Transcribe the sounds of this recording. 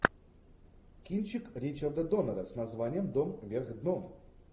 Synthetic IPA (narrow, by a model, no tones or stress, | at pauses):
kʲint͡ɕɪkɾʲit͡ɕərd̪əd̪onəɾəsnɐzvanʲɪjəmd̪omvʲerɣd̪nom